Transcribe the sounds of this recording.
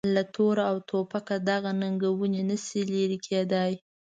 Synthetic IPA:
lat̪ʰoɾaawt̪ʰopakad̪aɣanaŋɡawunenəsileɾikʰed̪aj

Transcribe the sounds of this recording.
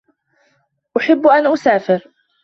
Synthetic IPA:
ʔʊħɪbːʔanʔʊsaːfɪɾ

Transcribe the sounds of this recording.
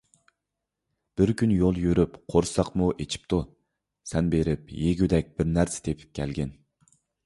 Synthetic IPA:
b̥ɪɾkʲynjolˠjøɾypqʰoɾsɑqmuʔet͡ʃʰi̥p̚t̪ʰu | sɛnbeɾɪp̚jeɡʲyd̪ɛk̚ʲb̥ɪɾnæɾsɪ̥t̪ʰepʰɪ̥p̚kʲʰɛlɡʲɛn

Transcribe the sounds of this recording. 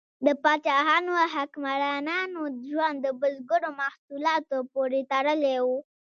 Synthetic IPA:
d̪əpɑt͡ʃɑɦɑnoɦakmaɾɑnɑnod͡ʒwand̪əbəlɡəɽomahsulɑt̪opoɾet̪aɽəlewu

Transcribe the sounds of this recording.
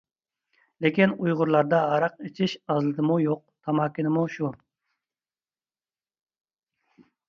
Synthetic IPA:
lekʲinujʁʊɾlˠɑɾd̪ɑɦɑɾɑqet͡ʃʰiʃɑzlˠɨd̪ɨmujoq̚t̪ʰɑmɑkʲːinɪmuʃu

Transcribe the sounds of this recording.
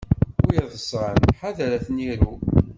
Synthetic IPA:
ʊjəðəsʁənħaðæɾæθniɾu

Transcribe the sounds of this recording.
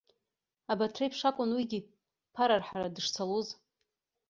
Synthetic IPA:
abatʰrajpʰʂakʷʼʊnwiɡʲi | pʰaɾarħaɾadɨʂt͡sʰaluz

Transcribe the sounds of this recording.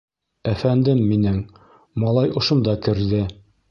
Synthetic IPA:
æfænd̪ɘmːinɘŋ | mɑlˠɑjŏʃŏnd̪ɑkɘ̆ɾðɘ

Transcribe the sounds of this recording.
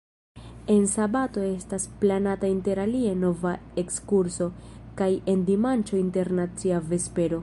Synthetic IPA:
e̞nsabato̞e̞stasplanatainte̞ɾalieno̞vae̞kskuɾso̞ | kaje̞ndimant͡ʃo̞inte̞ɾnat͡siave̞spe̞ɾo̞

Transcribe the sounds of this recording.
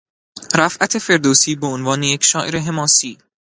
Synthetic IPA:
ɾæfʔæt̪ʰe̞fe̞ɾd̪oːsiːbe̞onvɒːnejecʰʃɒːʔeɾe̞ɦe̞mɒːsiː

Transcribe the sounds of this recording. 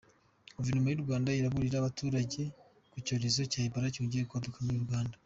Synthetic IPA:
ɡovenomojuɾɡwaːndaiɾaβuɾiɾaːβatuːɾaɟe̞ | kuco̞ːɾe̞zo̞caːibaɾacuːɲɟiekuadokamuɾiɾɡwaːnda

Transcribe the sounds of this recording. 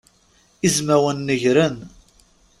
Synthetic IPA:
izmæwənːəʝɾən

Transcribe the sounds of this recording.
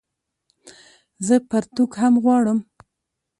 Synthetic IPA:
zəpaɾt̪ukhamɣwɑɽəm

